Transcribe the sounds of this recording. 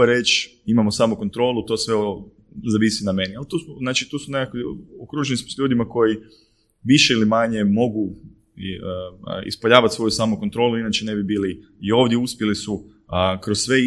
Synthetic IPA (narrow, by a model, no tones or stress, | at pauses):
aɾet͡ʃimamosaːmuko̞nt̪ɾo̞ːlˠut̪o̞sʋeo | zaʋisiname̞nialt̪uːsmoznaːt͡ʃit̪uːsunekakiokɾuːʒenismosʎuːd̪imako̞ji | ʋiʃeilimaɲe̞mo̞ɡu | ḭspaʎaːʋat̪sʋo̞jusaːmuko̞nt̪ɾo̞ːluinaːt͡ʃene̞bibiːli | io̞ʋd̪jeuspʲjelisu | kɾosːʋe